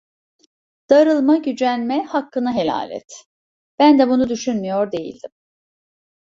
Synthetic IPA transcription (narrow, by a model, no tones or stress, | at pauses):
d̪̥aɾɯlˠmaɟyd͡ʒænmɛhakːɯnaɦe̞lʲa̰ːlʲɛ̰t̪ | b̥ænd̪ɛbunud̪yʃynmyjoɾd̪e̞jḭlʲd̪im